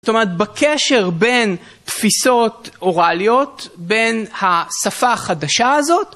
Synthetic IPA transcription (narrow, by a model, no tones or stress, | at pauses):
ot̪o̞meʁet̪̚bekʰeʃe̞ʁbe̞n | t̪fiso̞t̪ʔoʁalijo̞t̪be̞nhasafaχadaʃaazo̞t